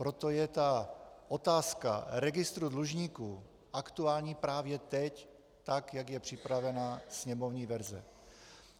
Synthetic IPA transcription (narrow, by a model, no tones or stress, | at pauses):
pɾo̞t̪ojɛt̪aʔot̪aːska̰ɾɛɡɪst̪ɾudluʒɲiːkuː | ʔakt̪uaːlɲiːpɾaːvjɛt̪ɛc | t̪akjaɡjɛpr̝̥ɪpɾavɛnasɲɛmovɲiːvɛɾzɛ̰